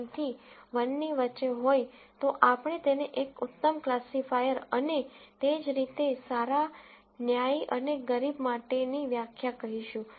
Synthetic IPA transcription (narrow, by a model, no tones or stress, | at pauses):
t̪ʰiʋənːiʋəːt͡ʃeɦojt̪oʔapɳ̃et̪eneʔekʊt̪ːəmklasifajəɾənet̪ed͡ʒɾit̪esaɾa | njaiʔəneɡəɾibmaʈeniʋjakʰjakəɦiʃũ